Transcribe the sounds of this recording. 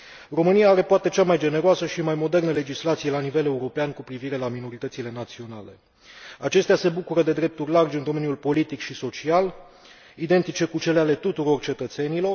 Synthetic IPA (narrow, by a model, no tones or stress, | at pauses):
ro̞mɨnijaaɾe̞poat̪e̞t͡ʃamajd͡ʒe̞ne̞ɾoasəʃimajmo̞d̪e̞rnəle̞d͡ʒislat̪sije̞lanive̞le̞uɾo̞peankupɾiviɾe̞lamino̞ɾit̪ət̪sile̞nat̪sio̞nale̞̰ | at͡ʃe̞st̪ease̞bukuɾəd̪e̞d̪ɾe̞p̚t̪urʲlard͡ʒind̪oe̞njulpo̞lit̪ikʃiso̞t͡ʃial | id̪e̞nt̪it͡ʃe̞kut͡ʃe̞leale̞t̪ut̪uɾo̞rt͡ʃe̞t̪ət̪se̞nilo̞r